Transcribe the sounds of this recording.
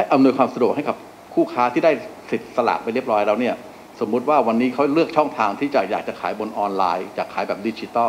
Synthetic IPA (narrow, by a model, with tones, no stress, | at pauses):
a˥˩jʔa˧mnu˧jkʰwaː˧msa˧du˨˩ək̚ha˥˩jka˨˩p̚ | kʰuː˥˩kʰaː˦˥t̪ʰiː˥˩daː˥˩jsi˨˩t̪̚sa˧la̰ː˨˩t̪pa˧jɾi˥˩əp̚ɾɔː˦˥jɾɛː˦˥wni˥˩ɐ | so˩˦mːu˦˥t̪̚waː˥˩wa˧nːiː˦˥kʰa˦˥wlɯ˥˩ək̚t͡ɕʰɔ˥˩ŋt̪ʰaː˧ŋt̪ʰiː˥˩t͡ɕaː˨˩k̚jaː˨˩k̚t͡ɕa˨˩kʰaː˩˦jbo˧nʔɔː˧nla̰ː˧jt͡ɕaː˨˩kʰːaː˩˦jbɛː˨˩p̚diː˧˥t͡ɕi˧t̪ɔ˥˩